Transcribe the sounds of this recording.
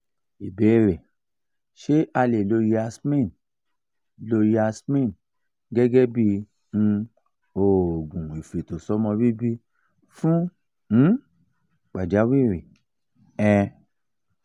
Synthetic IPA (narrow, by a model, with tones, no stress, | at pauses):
i˨be˨˦˨ɾe˨ | ʃe˦ʔa˧le˨lo˧ji˦a˧smĩ˦˨n | lo˧ji˧a˧smĩ˦˨n | ɡɛ˦ɡɛ˦bi˦ | n̩˧ | o˨ɡũ˨i˨fe˨to˨sɔ˨˦mɔ̃˧bi˦bi˦ | fũ˦ | k͡pa˨d͡ʒa˨˦wi˦˨ɾe˨ | ɛ˧